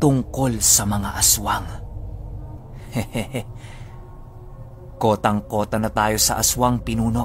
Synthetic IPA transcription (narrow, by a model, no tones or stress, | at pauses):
t̪ʊŋko̞lsɐmɐŋaʔɐswaŋ | ko̞ːt̪ɐŋko̞ːt̪ɐnɐt̪aːjo̞sɐ̰ʔɐswaŋpɪnuːno̞